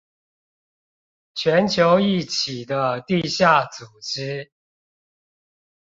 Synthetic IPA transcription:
t͡ɕʰɥɛ˧˦nt͡ɕʰjo˨˦ʊi˥˩t͡ɕʰi˨˩d̪ə˦t̪i˥˧ɕja˥˩t͡su˨˩ʈ͡ʂ̩˥˦

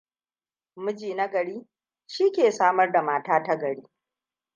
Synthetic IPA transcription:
mʊ˦d͡ʒiː˨nɐ˦ɡɐ˨ɽiː˦ | ʃiː˦kʲeː˨saː˦mɐ˦rda˨maː˦taː˦ta˦ɡɐ˨ɽiː˦

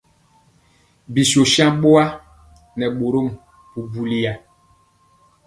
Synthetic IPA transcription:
bi˨so˨ʃjã˦m˦ɓo˦a˦ | nɛ˨ɓo˨ɾo˦˨m | pu˨bu˨li˨ja˨

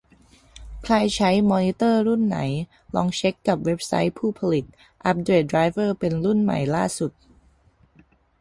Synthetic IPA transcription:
kʰlaː˧jt͡ɕʰa˦˥jmɔː˧ni˧˦˥t̪ɤː˥˩ɾu˥˩nːa̰˩˦j | lɔː˧ŋt͡ɕʰe˦˥kːa˨˩p̚we˦˥p̚sa̰˦˥jpʰuː˥˩pʰa˧li˨˩t̪̚ | ʔa˦˥p̚dɾeː˨˩t̪̚dɾaː˧˥jfɤː˥˩pe˧nɾu˥˩nma̰˨˩jlaː˥˩su˨˩t̪̚

